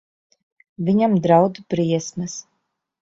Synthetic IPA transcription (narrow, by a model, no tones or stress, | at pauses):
vʲiɲamd̪ɾawd̪ub̥ɾiɛsmɨs